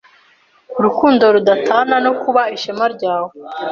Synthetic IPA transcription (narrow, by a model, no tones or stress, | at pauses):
uɾukuːndo̞ɾudatʰaːnano̞kuβaiʃamaɾɟaːwo